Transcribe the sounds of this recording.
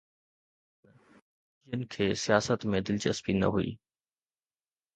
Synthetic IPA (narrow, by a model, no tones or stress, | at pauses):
d͡ʒiənkʰeːsijaːsət̪mẽd̪ɪlt͡ɕəspinɐ̰ɦuḭː